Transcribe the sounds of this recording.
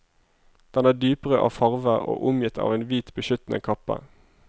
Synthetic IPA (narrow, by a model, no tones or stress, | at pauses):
d̪̥ɛnæːd̪yːpəʁəʔɑ̰ːʋfɑʁʋəo̰ːʔʊmjɪt̪ʰɑ̰ːʋeːnʋiːt̪bəʃʏt̪n̩ʔə̰kʰɑpə̰